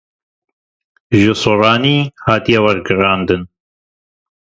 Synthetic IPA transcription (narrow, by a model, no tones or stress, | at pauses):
ʒɨsorɑːniːhɑːt̪ijɛwɐɾɡɨɾɑːnd̪ɨn